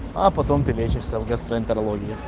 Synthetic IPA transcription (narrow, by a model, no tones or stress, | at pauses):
ɐpɐt̪ompʲɪʋʲet͡ɕɪʂsʲəvɡɐst̪ɾəɪnʲt̪əɾɐlˠoɡʲɪɪ